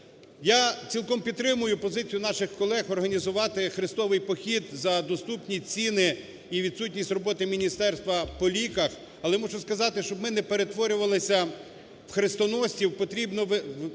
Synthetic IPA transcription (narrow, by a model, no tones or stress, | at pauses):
jat͡sʲilˠkɔmpʲid̪t̪ːɾɪmʊjʊpɔzɪt͡sʲijʊnɑʃɪxkɔlˠɛxɔrɦɐnʲizʊʋɑt̪ɪxɾɪst̪ɔʋɪjpɔxʲid̪zɐd̪ɔst̪upnʲit͡sʲinɪ | iʋʲid̪sutʲnʲisʲtʲrɔbɔt̪ɪmʲinʲist̪ɛrst̪ʋɐpɔlʲikɐx | ɐlˠɛmɔʒʊskɐzɑt̪ɪʃt͡ʃɔbmɪnɛpeɾet̪ʋɔɾʲʊʋɐlˠɪsʲɐ | wxɾɪst̪ɔnɔsʲtʲiwpɔt̪ɾʲibnɔʋ